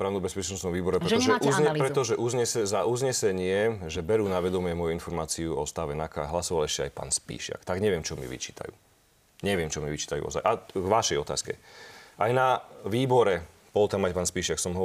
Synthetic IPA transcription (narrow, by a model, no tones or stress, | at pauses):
pɾaːʊnubɛspɛt͡ʃnɔst̪nɔmʋiːbɔɾɛpɾɛt̪ɔʒɛʔuzɲɛppɾɛt̪ɔʒɛʔuzɲɛsɛzaʔuzɲɛsɛɲɪɛʒɛbɛɾuːnaʋɛd̪ɔmɪɛmɔjuinfɔɾmaːt͡siuɔst̪aʋɛnaka̰ɦlasɔʋalɛʃcɛa̰jpa̰ːnspḭːʃɪa̰kt̪aɡɲɛʋɪɛmt͡ʃɔmḭʋḭt͡ʃiːt̪ʰa̰jṵː | ɲɛʋɪɛmt͡ʃɔmiʋit͡ʃi̥ːt̪ajṵɔ̰za̰jʔaɡʋaʃɛjɔt̪a̰ːskɛ̰ʔajnaʋiːbɔɾɛ | b̥ɔlt̪amajpaːnspiːʃɪaksɔmɦɔ